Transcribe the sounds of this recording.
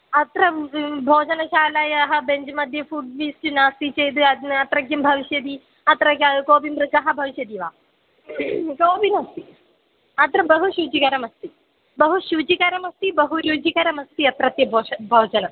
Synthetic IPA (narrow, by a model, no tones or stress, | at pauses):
ɐt̪ɾɐbʱoːd͡ʒɐnɐʃaːlɐjɐɦɐbeɲd͡ʒmɐd̪ʱjɐfuːɖ̚ʋisʈinaːst̪it͡ʃejd̪ɨɐɐt̪ɾɐɡjɐmbʱɐʋiʃjɐd̪i | ɐt̪ɾɐɡakoːbimpɾɐt͡ʃɐɦɐbʱɐʋiʃjɐd̪iʋaː | koːbinɐst̪i | ɐt̪ɾɐbɐɦuʃuːt͡ʃikɐɾɐmɐst̪i | bɐɦuʃuːt͡ʃikɐɾɐmɐst̪ibɐɦujuːt͡ʃikɐɾɐmɐst̪iɐt̪ɾɐt̪jɐbʱoːʃɐbʱɐːd͡ʒɐnɐ